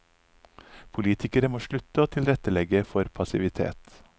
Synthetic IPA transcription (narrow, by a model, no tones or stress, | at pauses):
pʰʊliːt̪ʰɪkəɾəmoːʃɭʉt̪əoːt̪ʰɪlɾɛt̪əlɛɡəfɔɾpʰɑsɪʋɪt̪ʰḛːt̪